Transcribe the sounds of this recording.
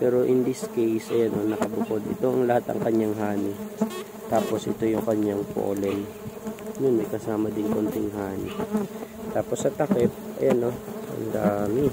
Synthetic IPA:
pɛːɾo̞ʔɪnd̪iskejsʔɐjanʔonɐkɐbʊko̞d̪ɪ̰t̪o̞ʔɐŋlɐhat̪ɐ̰ŋkɐɲaŋɦaːnɪ | t̪aːpo̞sʔɪ̰t̪o̞jʊŋkɐɲaŋpo̰ʔo̰lɛn | nʊnmɐjkɐsaːmɐd̪ɪŋkont̪ɪŋɦaːnɪ | t̪aːpo̞sːɐt̪ɐkɛp̪̚ɐ̰janːoʔɐ̰nd̪aːmɪ

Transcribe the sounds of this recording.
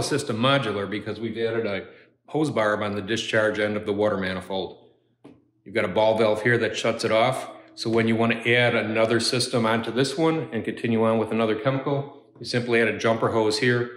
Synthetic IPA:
sɪstə̃mːɑd͡ʒl̩ˠə˞bɨkʰʌzwivæɾɨɾɨ | hoʊzbɑɹɨbə̃nðɨdɨst͡ʃʰɑɹd͡ʒɛ̃ndʌvðəwɔɾə˞mæ̃ñəfoʊlˠd̥̚ | jɨɡɑɾɨbɔlˠvɛlˠfhiɹðɨtʃʌtsɨɾɔfsoʊwɨ̃njɨwɑ̃ñɨʔæɾɨnʌðə˞sɪstə̃mə̃ntʰɨðɪswʌ̃nɨ̃nkɨ̃ntʰɪ̃njʉə̃nwəðənʌðə˞kʰɛməkl̩ˠ | jɨsɪ̃mpliæɾɨd͡ʒʌ̃mpə˞ɦoʊz̥hiɹ

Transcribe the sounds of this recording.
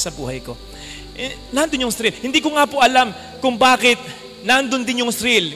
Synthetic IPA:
sɐbṵːhɐjko̞ | naʔɐnd̪onjʊŋsɾɪlhɪnd̪iːkoŋapoʔɐlam | kʊŋbaːkɪt̪̚ | naʔnd̪ond̪ɪnjʊŋsɾil

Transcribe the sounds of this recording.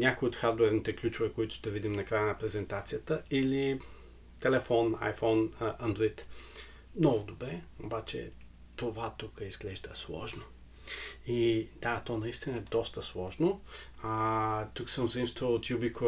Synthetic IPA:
nʲakoiot̪xaɾd̪oɛɾnit̪ɛklʲut͡ʃʊvɛkoit̪ʊ̥d̪ɐvid̪imnɐkɾajənɐpɾɛzɛnt̪at̪sijət̪əili | t̪ɛlɛfɔna̰jfɔnʔɐnd̪ɾoit̪ | mnɔɡʊd̪obɾɛobat͡ʃɛ̰ | t̪ovat̪ukəizɡlɛʒd̪əslˠɔ̰ʒno | id̪at̪ɔnɐist̪inəɛd̪ɔst̪əslˠɔʒnoat̪uksəmzimst̪vəlot̪jubik

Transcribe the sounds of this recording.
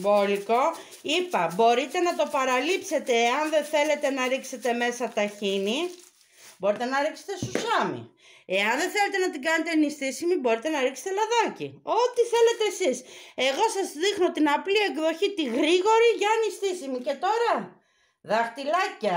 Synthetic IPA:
boliko | ipɐbo̞ɾit̪e̞nɐt̪o̞pɐɾɐlipse̞t̪e̞ːɐnðeθe̞le̞t̪e̞nɐɾikse̞t̪e̞me̞sɐt̪ɐçini | bo̞ɾit̪e̞nɐɾikse̥t̪e̞susɐmḭ | e̞ɐnðe̞θele̞t̪e̞nɐt̪iɡɐne̞t̪e̞ɐnist̪isimibo̞ɾit̪e̞nɐɾikse̥t̪e̞lɐðɐcio̞t̪iθe̞le̞t̪e̞ːsise̞ɣo̞sɐzðixno̞t̪inɐplie̞ɡðo̞çit̪iɣɾiɣo̞ɾiʝɐːnist̪isimice̞t̪o̞ɾɐ | ðɐxt̪ilɐcːɐ

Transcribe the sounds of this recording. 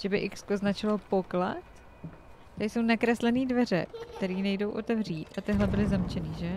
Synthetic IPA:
ʒ̥ɛbɪʔɪkskoznat͡ʃɪlopo̞klat̪ | t̪adɪsownakɾɛslɛniːdvɛr̝ɛ̰kkt̪ɛɾiːnɛjdo̞wʔo̞t̪ɛvr̝iːt̪ʔat̪ɪɦlɛbɪlɪzamt͡ʃɛniːʒɛ

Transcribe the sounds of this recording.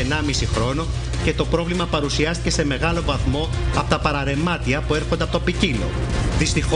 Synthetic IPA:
enɐmisixɾo̞no̞ | ce̞t̪o̞pɾo̞vlimɐpɐɾusiɐst̪icese̞me̞ɣɐlo̞vɐθmo̞ɐpo̞t̪ɐpɐɾɐɾe̞mɐt̪iɐpue̞ɾxond̪eɐpot̪opicilo̞̰ðist̪ix

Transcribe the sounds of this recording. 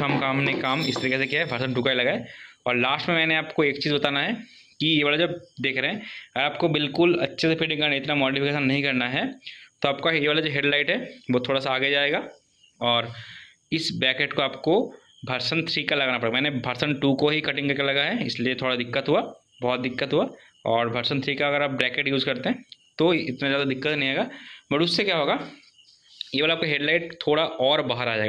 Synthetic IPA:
ɐmkaːmnekaːmɪst̪ɐɾikesekjaɦɛbʱɐɾsənʈuːkailɐɡaːeɔːɾlaːsʈmẽmɛːneaːpkoeːkt͡ʃiːzbɐt̪aːnaɦɛ | kijeʋalad͡ʒɐbd̪eːkʰɾɐɦɛ̃ɐɡəɾaːp̚kobɪlkʊlɐtːʃʰesepʰɪɖɪ̃ŋkɐɾnaɪt̪namɔːʈifɪkeːʃənːɐɦĩkɐɾnaɦɛt̪oaːp̚kaɦjeʋaːlad͡ʒoːɦeɖlaːɪʈɦɛʋot̪ʰoːɽasaːɡed͡ʒaːeːɡaː | ɔːɾ | ɪsbɛːkeʈkoaːpko | bʱɐɾsənt̪ʰɾiːkalɐɡaːnapɐɽeːɡamɛ̃ːnebʱɐɾsənʈuːkoɦikɐʈɪ̃ŋkɐɾkelɐɡaɦɛɪsliet̪ʰoːɽad̪ɪkːət̪ɦua | bɔːt̪̚d̪ɪkːət̪ɦua | ɔːɾbʱɐɾsənt̪ʰɾiːkaɐɡəɾaːp̚bɾɛːkeʈjuːzkɐɾt̪eɦɛ̃t̪oɪt̪nazjaːd̪ad̪ɪkːət̪nɐɦĩɦeːɡaːbɐɾʊsːekjaːɦoːɡa | jeːʋaːlaːpkaɦeːɖlaɪʈ̚t̪ʰoːɽaʔɔːɾbaːɦəɾaːd͡ʒaːeɡa

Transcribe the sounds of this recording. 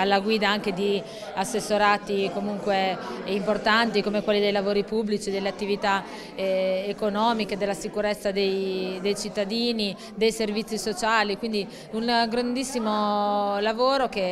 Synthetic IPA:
alːaɡwiːd̪aaŋk̟ed̪i | asːesːoɾaːt̪ikomuŋkweimport̪ant̪ikomekwelːid̪ejlavoːɾipubːlit͡ʃid̪elːeat̪ːivit̪a | ekonɔːmiked̪elːasikuɾet̪sːad̪ejd̪ejt͡ʃit̪ːad̪iːni | d̪ejservit̪sːisot͡ʃaːlikwind̪i | unɡɾand̪isːimolavoːɾoke

